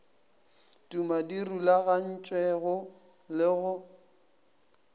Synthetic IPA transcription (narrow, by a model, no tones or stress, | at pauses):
tʼumadirulaɣan̩t͡ʃʼwɛɣʊ | lɪɣʊ